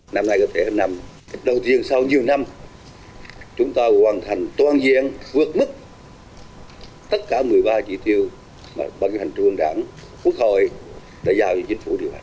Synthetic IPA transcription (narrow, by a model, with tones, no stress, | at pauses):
na˧mna˧jkɔ˧t̪ʰe˧˩˦na˧m̚˨ | ɗə˨˩wt̪i˧ənsa˧wɲi˨˩əwna˧m | t͡ɕʊ˨˦ŋ͡mt̪aː˧˩waː˨˩nt̪ʰa˨˩jŋ̟t̪waː˧nzḭ˧˨ənvɨ˨˩ək̚mɨ˦˥k̚ | t̪ə˦˥t̚kaː˧˩mɨ˨˩əjɓaː˧t͡ɕi˧˩t̪i˧əw | ma̰ː˨˩ɓaː˧ka˧˦t̪ʰhʰŋ̟t̪u˧əŋɗa̰ː˧˩ŋku˦˥ək̚ho̰˧˨j | ɗḛ˧˥zaː˧wt͡ɕɔ˧t͡ɕï˨˦ŋ̟fu˧˩ɗi˨˩əwʔa̰ː˨˩